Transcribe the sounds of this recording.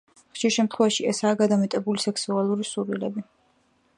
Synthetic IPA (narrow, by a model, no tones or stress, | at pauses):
χʃiɾʃɛmt̪χwɛvaʃiɛsaːɡad̪amɛt̪ʼɛbulisɛksualˠuɾisuɾilɛbi